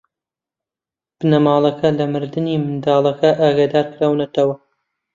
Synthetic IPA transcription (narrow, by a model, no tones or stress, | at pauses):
b̥ɨnɐmɑːlˠɐkʰɐlɐmɨɾd̪ɨniːmɨnd̪ɑːlˠɐkɐʔaːɡad̪aːɾkɨɾaːwnɐt̪ɐwɐ